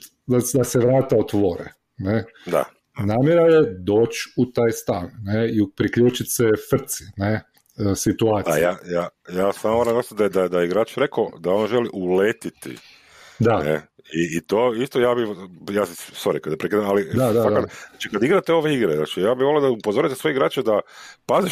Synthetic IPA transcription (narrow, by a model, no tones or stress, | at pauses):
d̪ad̪aseʋɾaːt̪aot̪ʋo̞ɾḛ | ned̪a̰ | naːmjeɾaje̞d̪oːt͡ʃut̪aːjst̪anːeipɾikʎuːt͡ʃit̪sefr̩t̪si̥ne | sit̪uaːt̪ijajajaːsamomoɾamnɡ̪ost̪d̪ad̪ad̪ajeiɡɾaːt͡ʃɾekod̪ao̞nʒeliʔulet̪it̪ḭ | d̪anḛ | iːt̪oːist̪ojaːbijaːsisoɾikad̪apɾekiːd̪amalid̪ad̪aaad̪k̪at͡ʃikad̪iɡɾat̪eo̞ʋeiɡɾezna̰ːt͡ʃijaːbiʋolod̪aupozoɾit̪esʋojeiɡɾaːt͡ʃed̪apaziʃ